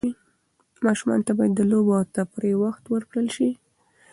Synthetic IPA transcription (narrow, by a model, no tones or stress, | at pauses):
i | mɑʃumɑ̰nt̪abɑjad̪ːəlobot̪apɾewaxt̪wəɾkɽəlʃi